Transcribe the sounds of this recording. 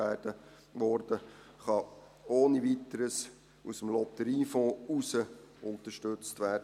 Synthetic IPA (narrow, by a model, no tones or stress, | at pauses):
æːd̥ə | ʋɔɾd̥ə | χɑ | oːnivit̪əɾəs | usəmlɔt̪əɾiːfɔ̃ːusəʊnt̪əʃtɵt͡stʋæːrdə